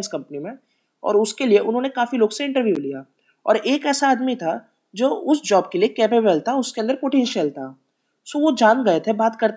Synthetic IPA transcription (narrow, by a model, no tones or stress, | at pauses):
nskɐ̃mpnimẽ | ɔ̰ːɾʊskelieʔʊnɦõːnekaːfiloːɡseɪ̃ɳʈəɾʋjulija | ɔ̰ːɾʔeːkɛːsaːd̪mit̪ʰa | d͡ʒoːʔʊsd͡ʒɔːb̚keliekɛːpebəlt̪ʰaʊskeɐ̃nd̪əɾpoːʈẽːnʃəlt̪ʰa | soːʋod͡ʒaːnɡɐjet̪ʰebaːt̪kɐɾt̪